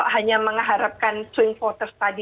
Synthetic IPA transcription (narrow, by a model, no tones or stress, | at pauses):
ʔɦaɲaməŋaɦaɾap̚kant̪ɾɪŋpɔt̪ərst̪adi